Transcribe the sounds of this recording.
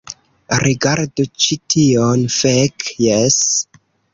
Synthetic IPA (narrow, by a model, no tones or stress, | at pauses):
ɾʔiɡaɾdut͡ʃitionfekjes